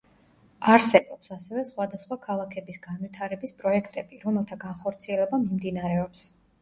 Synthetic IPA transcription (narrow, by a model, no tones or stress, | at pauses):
aɾsɛbɔpsasɛvɛsχwad̪asχwakʰalˠakʰɛbisɡanwit̪ʰaɾɛbispʼɾɔɛkʰt̪ʼɛbiɾɔmɛlˠt̪ʰaɡanχɔɾt̪sʰiɛlɛbamimd̪inaɾɛɔps